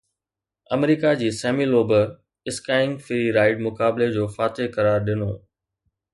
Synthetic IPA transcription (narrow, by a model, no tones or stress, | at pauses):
ɐmɾiːkad͡ʑiːsɛːmiːloːbə | ɪskaːɪ̃ŋɡfɪɾiɾaːɪɖ̚mʊkaːbled͡ʑoːfaːt̪ekɐɾaːɾɗɪnoː